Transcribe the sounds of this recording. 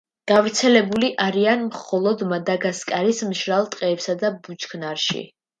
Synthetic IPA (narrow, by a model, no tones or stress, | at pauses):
ɡ̥avɾt̪sʰɛlɛbuliʔaɾianmχɔlˠɔd̪mad̪aɡaskʼaɾismʃɾalˠt̪ʼqʼɛːpsad̪abut͡ʃʰʼkʰnaɾʃḭ